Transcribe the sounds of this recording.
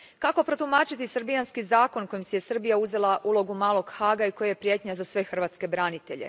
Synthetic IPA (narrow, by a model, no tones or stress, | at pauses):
kako̞pɾo̞t̪umat͡ʃit̪isr̩ɾbijanskizaːko̞nko̞jimsejesɨr̩bijauze̞laʔulo̞ɡumaːlˠo̞ɡxaːɡaiko̞jajepɾijet̪ɲazasʋe̞xr̩ʋaːt̪ske̞bɾaːnit̪e̞̰ʎe̞̰